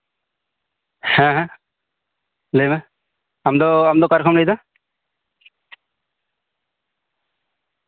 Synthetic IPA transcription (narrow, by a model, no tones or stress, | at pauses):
hɛ̃ɦɛ̃ | lemɛ | amd̪ɔamd̪ɔkaɾkʰɔmnejd̪a